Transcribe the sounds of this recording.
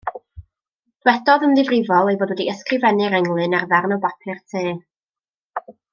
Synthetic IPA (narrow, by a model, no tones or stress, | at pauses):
d̥wɛdɔðəmðɨvrɪvɔlˠejboːdwɛdiəskrɪvɛnɨɾɛŋlˠɨnarvɛrnɔbapʰɨrtʰeː